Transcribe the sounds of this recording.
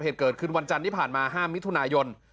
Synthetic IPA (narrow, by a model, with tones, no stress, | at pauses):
heː˨˩t̪̚kɤː˨˩t̪̚kʰɯ˥˩nwa˧nt͡ɕa˧nt̪ʰiː˥˩pʰaː˨˩nmaː˧ɦaː˥˩mːi˦˥t̪ʰu˧naː˧jo˧n